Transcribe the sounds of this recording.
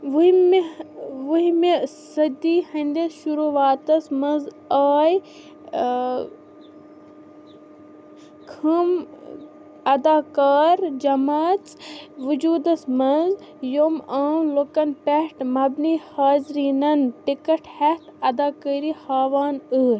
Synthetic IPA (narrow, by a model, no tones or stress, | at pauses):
ʋm | ʋuɦimesɐd̪iːhɐnd̪esʃuɾuːʋaːt̪ɐsmɐnz | aːj | kʰɐm | ɐd̪aːkaːɾd͡ʒɐmaːt͡sʋɨd͡ʒuːd̪ɐsmɐnzjoːmaːwlokɐnpɛhʈmɐbnihaːzɾiːnɐnʈikɐʈhɛt̪ʰɐd̪aːkəːɾihaːʋaːnɨːɾ